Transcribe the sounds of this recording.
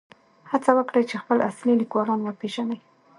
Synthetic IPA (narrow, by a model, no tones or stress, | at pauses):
hat͡sawəkɽəjt͡ʃexpəlʔaslilikwɑlɑnwəpeʒanaj